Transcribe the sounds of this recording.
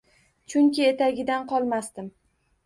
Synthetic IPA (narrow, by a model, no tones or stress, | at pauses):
t͡ʃʰʊŋkʲɪe̞t̪aɡʲɪd̪anqʰɒlˠmast̪ɪm